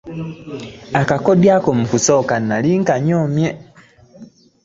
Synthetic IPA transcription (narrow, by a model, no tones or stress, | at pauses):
akakodjaːkomukuso̞ːkanːaliŋkaɲoːmje